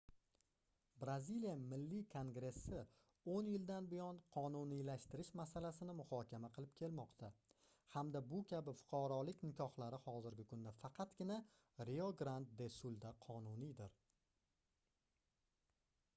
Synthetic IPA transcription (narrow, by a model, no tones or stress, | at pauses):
bɾazilijamɪlːikʰoŋɡɾe̞sːɪ | onjɪld̪anbɪjɒnqʰɒnunilaʃt̪ɪɾɪʃmasalasɪnɪmʊhɒkʲamaqʰɨlˠɪp̚kʲʰe̞lmɒqt̪ʰa | hamd̪abʊkʲʰabɪfʊ̥qʰɑɾɒlɪkʲnɪkʲʰɒhlaɾɪhɒzɪɾɡʲɪkʰʊnd̪afɑqʰɑt̪ɡʲɪna | ɾeoɡɾant̪̚d̪e̞sʊlˠd̪aqʰɒnʊnid̪ɪɾ